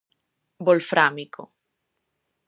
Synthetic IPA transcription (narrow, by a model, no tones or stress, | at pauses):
bolfɾʔamikʰo̰